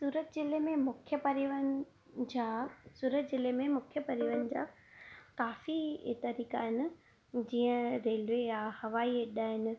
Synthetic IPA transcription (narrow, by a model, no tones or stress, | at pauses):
suːɾət̪zɪlemẽmʊkʰjəpɐɾiʋənɪ̆ | d͡ʑaːsuːɾət̪zɪlemẽmʊkʰjəpɐɾiʋənɪ̆d͡ʑa̰ː | kaːfit̪ɐɾiːkaɦɪnɪ̆ | d͡ʑĩːə̃ɾeːlʋejahɐʋaːiɗaːɦɪnɪ̆